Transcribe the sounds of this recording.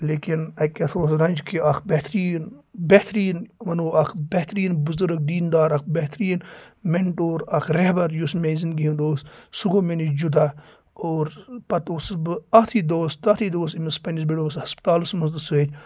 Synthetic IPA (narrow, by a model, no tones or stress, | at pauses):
leːkinɐkʲɐt̪ʰoːsɾɐnʲd͡ʒkʰiʔɐkʰbeht̪ʰɾiːnbeht̪ɾiːnʋɐnoːɐkʰbeht̪ɾiːnbuzuɾək̚d̪iːnd̪aːɾɐk̚beht̪ɾiːnmeɳʈoːɾɐkʰɾehbɐɾjusmeːzinɡiɦĩnd̪oːssuɡoːmenid͡ʒud̪a | oːɾpɐt̪oːsbɨɐt̪ʰiːd̪oːst̪ɐt̪ʰid̪oːs̬imispɐnis̬biɽoʋɐshɐspt̪aːlusmɐsd̪ɨset͡ʃ